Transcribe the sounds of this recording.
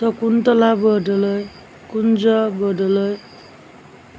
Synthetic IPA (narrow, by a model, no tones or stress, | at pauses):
t̪ʌkunt̪ʌlabʌɖʌlʌj | kund͡zʌbʌɖʌlʌj